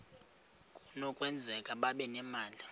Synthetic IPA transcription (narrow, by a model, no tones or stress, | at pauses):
kʼunɔkʼwɛnd͡zʱɛkʼaɓaɓɛnɛmaːli